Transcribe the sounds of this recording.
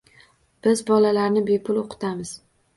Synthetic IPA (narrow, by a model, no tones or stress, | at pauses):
b̥ɪzbɒlalaɾnɪbe̞pʰʊloqʰɨ̥t̪ʰamɪz̥